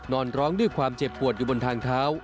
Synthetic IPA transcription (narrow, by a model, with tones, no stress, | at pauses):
nɔː˧nɾɔː˦˥ŋdu˥˩kʰwaː˧mt͡ɕe˨˩p̚kʰu˨˩ət̪̚juː˨˩bo˧nt̪ʰaː˧ŋt̪ʰaː˦˥w